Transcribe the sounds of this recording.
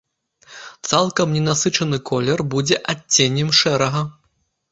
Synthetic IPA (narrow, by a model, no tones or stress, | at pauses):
t̪salˠkɐmnʲɛnasɨt͡ʂɐnɨkʰɔlʲɛrbud͡zʲɛʔat͡st͡sʲːenʲːɛmʂɛɾɐɣɐ